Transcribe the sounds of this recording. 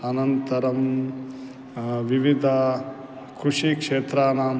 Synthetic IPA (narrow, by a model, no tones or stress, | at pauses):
ɐnɐnt̪ɐɾɐm | ʋiʋid̪ʱɐ | kɾuʂikʂeːt̪ɾaːnaːm